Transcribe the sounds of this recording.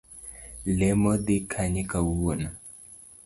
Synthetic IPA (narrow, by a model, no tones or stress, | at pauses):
lemod̪ikʰaɲikawuwona